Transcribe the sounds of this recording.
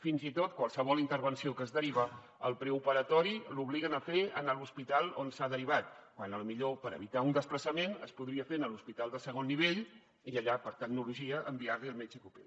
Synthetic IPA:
finzit̪ot̪kwalˠsəβɔlˠint̪əɾβənsiokəːzðəɾiβə | əlˠpɾɛupəɾət̪ɔɾiluβliɣənəfeə̰nəluspit̪alˠonsaðəɾiβ̞at̪̚kwanəlumiʎopəɾə̰βit̪aund̪əspləsəmenə̰spuðɾiəfenəluspit̪alˠd̪əsəɣ̞onːiβeʎ | iəʎapəɾt̪əɡnuluʒiəʔəmbiaɾliəlˠmet͡ʃəkupḛl

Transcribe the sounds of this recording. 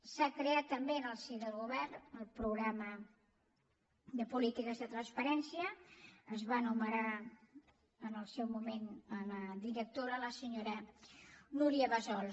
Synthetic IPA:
sakɾeat̪ːəmbeənəlˠsiðəlˠɣuβɛrnəlˠpɾuɣɾamə | d̪əpulit̪ikəzðət̪ɾənspəɾɛnsiəːzβanuməɾa | ənəlˠsɛwmumenələðiɾək̚t̪oɾələsəɲoɾə | nuɾiəβəzɔlˠ

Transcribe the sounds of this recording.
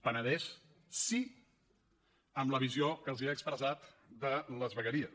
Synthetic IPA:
pənəðɛs | si | əmləβ̞iziokəːlˠziəːkspɾəzat̪d̪ələzβəɣəɾiəs

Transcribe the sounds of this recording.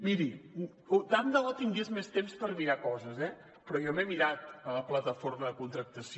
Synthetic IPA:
miɾi | od̪and̪əɔt̪iŋɡezmest̪emspəɾmiɾakɔzəzɛ | pɾɔjɔmemiɾat̪ələplət̪əforməðəkunt̪ɾək̚t̪əs

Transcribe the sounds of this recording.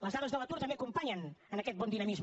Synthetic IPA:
ləzðaðəzðələt̪uɾt̪əmbeəkumpaɲənənəkɛt̪̚bɔnd̪inəmizm

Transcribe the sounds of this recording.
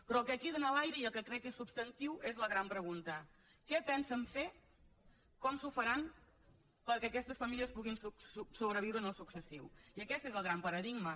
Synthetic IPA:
pɾɔlˠkɛkiðənəlajɾəiəlˠkəkɾɛkesupst̪ənt̪iwezləɣɾampɾəɣ̞unt̪ə | kɛpɛnsəɱfe | kɔmsufəɾan | pəɾkɛəkɛst̪əsfəmilˠiəspuɣinsussuβɾəβ̞iwɾənəlˠsuksəsiwiəkɛst̪ezəlˠɣɾampəɾəðiɡmə

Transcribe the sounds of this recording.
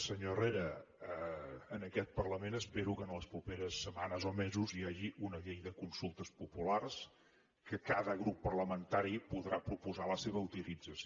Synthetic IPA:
səɲoreɾə | nəkɛt̪̚pərləmenəspeɾukənləspɾupeɾəsːəmanəzomezuziaʒiʔunəʎejðəkunsulˠt̪əspupulars | kəkaðəɣɾupːərləmənt̪aɾipuðɾapɾupuzaləseβ̞əut̪ilid͡zəs

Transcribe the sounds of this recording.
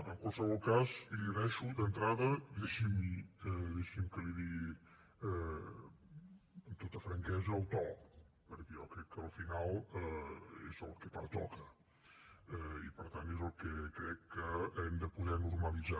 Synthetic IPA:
əŋkwalˠsəβɔlˠkaziliðɛʃud̪ənt̪ɾaðəd̪eʃimiɛðeʃimkəliði | ɛ | əmt̪ot̪əfɾəŋkɛzəːlˠt̪ɔ | pəɾkɛjɔkɾɛkːəːlˠfinalˠəḛzəlˠkɛpaɾt̪ɔkə | ɛipəɾt̪ant̪ezəlˠkɛkɾɛkːəɛmd̪əpuðɛnuɾməlid͡za

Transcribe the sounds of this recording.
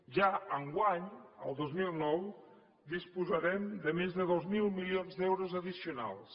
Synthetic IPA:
ʒaəŋɡwaɲə̰lˠd̪ozmilˠnɔw | d̪ispuzaɾɛmd̪əmezðəðozmilˠmiljonzðɛwɾozəðisiuna̰lˠs

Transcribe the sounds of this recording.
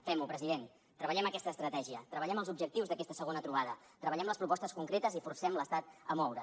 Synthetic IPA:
fɛmupɾəziðen | t̪ɾəβəʎɛməkɛst̪əːst̪ɾət̪ɛʒiət̪ɾəβəʎɛməlzubʒək̚t̪iwzðəkɛst̪əsəɣonət̪ɾuβaðə | t̪ɾəβəʎɛmləspɾupɔst̪əskuŋkɾet̪əzifursɛmləst̪at̪̚əmɔwɾə

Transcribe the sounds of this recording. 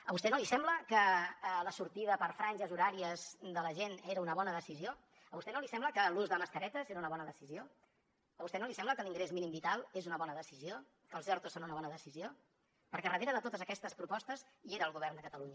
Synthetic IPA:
əβust̪ɛnolisɛmbləkələsuɾt̪iðəpəɾfɾanʲʒəzuɾaɾiəzd̪ələʒeneɾəunəβɔnəðəsizio | əβust̪ɛnolisɛmbləkəluzðəməskəɾɛt̪əzeɾəunəβɔnəðəsizio | əβust̪ɛnolisɛmbləkəliŋɡɾezminimbit̪alˠezunəβɔnəðəsizio | kəlˠzɛɾt̪usːonunəβɔnəðəsizio | pəɾkɛrəðeɾəðət̪ot̪əzəkɛst̪əspɾupɔst̪əz | ieɾəːlˠɣuβɛrnd̪əkət̪əluɲə

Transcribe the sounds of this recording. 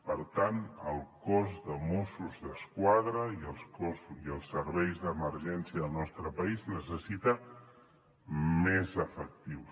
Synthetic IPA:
pəɾt̪anəlˠkɔzðəmusuzðəskwaðɾəiəlˠskɔsiəlˠsːəɾβɛjzðəməɾʒɛnsiəðəlˠnɔst̪ɾəpəiznəsəsit̪ə | mezəfək̚t̪iw

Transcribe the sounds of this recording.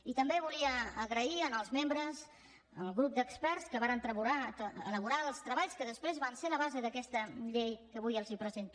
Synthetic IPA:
it̪əmbeβuliəːɣɾəiənəlˠzmembɾəz | əlˠɣɾup̚d̪əkspɛɾskəβaɾənt̪ɾəβuɾaələβuɾalˠst̪ɾəβaʎskəðəspɾezβanseləβ̞azeðəkɛst̪əʎejkəβujəlˠzipɾəzent̪

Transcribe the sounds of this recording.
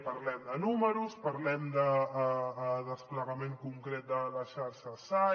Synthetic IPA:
pɐɾlɛmd̪ənuməɾuspəɾlɛmd̪ə | ðəspləɣameŋkuŋkɾet̪̚d̪ələʃaɾʃəsa

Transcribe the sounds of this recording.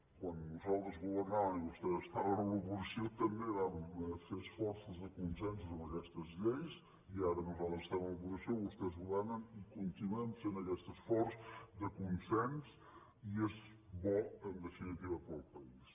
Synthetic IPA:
kwannuzalˠd̪ɾəzɣuβəɾnaβəniβust̪ɛðəst̪aβənələβuzəsiot̪əmbeβaməfesfɔɾsəzðəkunsɛnsuzoməkɛst̪əzʎejs | iaɾənuzalˠðɾəzəst̪aβnləβuzisioust̪ɛzɣuβɛɾnənikunt̪inuɛmsenəkɛst̪əsfɔɾsd̪əkunsɛns | iez | βɔənd̪əfinət̪iβəpəlˠpəis

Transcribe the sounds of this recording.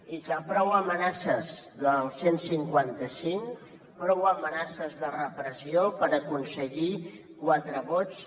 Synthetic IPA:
ikapɾɔwəmənasəzðəlˠsensiŋkwant̪əsiŋ | pɾɔwəmənasəzðərəpɾəziopəɾəkunsəɣi | kwat̪ɾəβɔt͡s

